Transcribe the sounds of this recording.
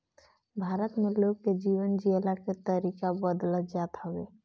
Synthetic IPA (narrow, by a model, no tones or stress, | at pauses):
bʱaːɾət̪meloɡked͡ʒiːwənd͡ʒielaket̪əɾikabəd̪ləd͡ʒat̪ɦəwe